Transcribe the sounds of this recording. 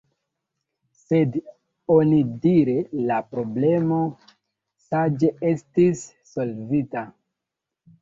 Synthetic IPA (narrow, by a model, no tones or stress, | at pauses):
se̞d | onidiɾelapɾo̞ble̞mo̞ | sad͡ʒe̞ʔe̞stisː | o̞lvita